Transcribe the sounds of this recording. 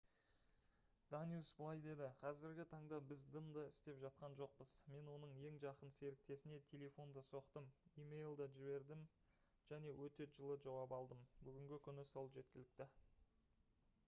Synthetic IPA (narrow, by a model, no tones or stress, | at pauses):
d̪̥anjusbəlˠɑjd̪e̞d̪ɪqʰɑzɪɾɡʲɪt̪ʰɑɴd̪ɑbɪzd̪əmd̪ɑɪst̪e̞pʒɑt̪̚qɑnʒo̞q̚pəz̥me̞nwo̞nəɴje̞ŋʒɑqənse̞ɾɪk̚t̪e̞sɪne̞t̪ʲʰe̞le̞fo̞nd̪əso̞qt̪əmimejlˠd̪ɑʒɪβe̞ɾd̪ɪm | ʒ̥æne̞wɵt̪e̞ʒəlˠəʒɑwɑpɑlˠd̪əmbʏɡʲɪŋɡʲɪkʲʰʏnɪso̞lˠʒe̞t̪̚kʲɪlɪk̚t̪ɪ